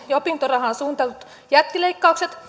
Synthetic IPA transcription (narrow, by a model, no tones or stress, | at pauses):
jɑopint̪orɑhɑsuːnt̪ɑlut̪ | jæt̪ːileikːɑukset̪